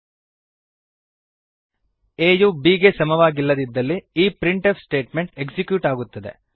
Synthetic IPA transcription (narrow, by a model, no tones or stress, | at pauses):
eːjubiːɡesɐmɐʋaːɡilːɐd̪id̪ːɐlːiiːpɾiɳʈefsʈe̞ːʈme̞ɳʈeksikjuʈaːɡut̪ːɐd̪e